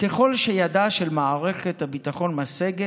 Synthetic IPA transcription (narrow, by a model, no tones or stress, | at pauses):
ke̞χo̞lʃe̞jadaʃe̞lmaːʁe̞χethabitaχo̞nmaseɡe